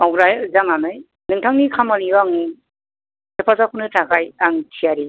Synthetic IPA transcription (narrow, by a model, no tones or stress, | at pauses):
awɾajzaŋamɯj | nɯŋtʰaŋnikʰamaniwaŋni | zepʰazakʰunɯtʰakajaŋtʰiaɾi